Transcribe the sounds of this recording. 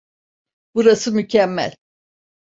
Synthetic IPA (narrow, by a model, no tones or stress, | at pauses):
b̥uɾasɯmycʰɛmːæ̰lʲ